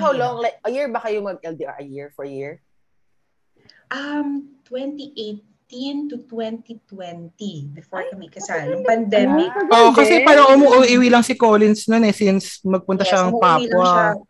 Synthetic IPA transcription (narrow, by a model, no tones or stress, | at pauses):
hawlɔŋlajk̚ʔɐjiɹbɐkajʊŋmɐɡ̚ʔɛld̪iʔɔ̰ɹɐjɪɹfɔɹjɪɹ | ʔɐmt̪wɛnt̪iʔejt̪int̪ʊt̪wɛnt̪it̪wɛnt̪ibɪfoɹkɐmikɐsanŋpɐnd̪ɛmɪkʔoʔkɐsɛpaːɾɐŋʔʊmuʔʊʔiwilɐŋsɪkoːlɪnsnonɛsɪnsmɐɡ̚pʊnt̪ɐʃaɐŋppaːwɐ